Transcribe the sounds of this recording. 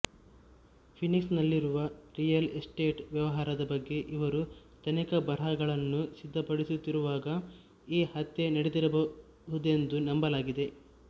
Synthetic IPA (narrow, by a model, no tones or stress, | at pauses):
pʰiniksnɐlːiɾuʋɐɾijɐlesʈe̞ːʈʋjɐʋɐɦaːɾɐd̪ɐbɐɡːe̞ʔiʋɐɾu | t̪ɐnɛkɐbɐɾɐɡɐɭɐnːusid̪ʱːɐpɐɽisut̪ːiɾuʋaːɡɐ | iːhɐt̪ːe̞nɐɽed̪iɾɐbɐ | ɦud̪e̞nd̪unɐmbɐlaːɡid̪e̞